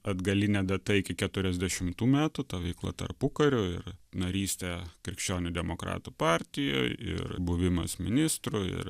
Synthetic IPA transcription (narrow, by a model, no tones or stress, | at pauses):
ɐd̪ɡɐlʲɪnʲɛːd̪ɐt̪ɐɪkʲɪkʲɛt̪ʊɾʲɛzʲd̪ʲɛʃʲɪmt̪uːmʲæːt̪ut̪ɐʋʲɛɪklˠɐ̰t̪ɐ̰ɾpʊkɐɾʲʊɪɾnɐɾʲiːsʲt̪ʲɛkɾʲɪkʃʲt͡ʃʲoːnʲʊd̪ʲɛmokɾɑ̰ːt̪uːpɑˑɾʲt̪ʲɪjo̰ːɪɪ̰ɾbʊʋʲɪmɐ̰smʲɪ̰nʲɪst̪ɾuɪ̰ɾ